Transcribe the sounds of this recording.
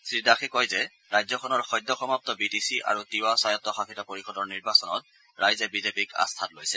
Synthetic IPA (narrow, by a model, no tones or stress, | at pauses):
sɹidaxikɔjzɛ | ɹajzɔkʰɔnɔɹxɔjdʱːɔxɔmap̚tɔbitisiʔa̰ɹutiwasajɔtːɔxakʰitɔpoɹixɔdɔɹniɹbasɔnɔ̰t̚ | ɹajzɛbizepika̰st̪ʰatlojsɛ